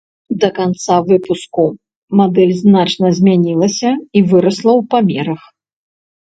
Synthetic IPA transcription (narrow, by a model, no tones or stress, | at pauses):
d̪ɐkant̪savɨpusku | mad̪ɛlʲznat͡ʂnɐzʲmʲanʲilˠɐsʲɐivɨɾɐslˠɐwpamʲɛɾɐx